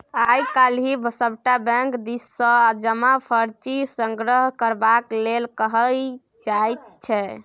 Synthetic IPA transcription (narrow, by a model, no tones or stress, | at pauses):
ajkalɦibʱəsəbʈabɛ̃ŋkd̪isːə̃ad͡ʒəmapʰəɾt͡ʃisəŋɡɾəɦkəɾbaklelkəɦəl | d͡ʒajt̪̚t͡ʃʰɛ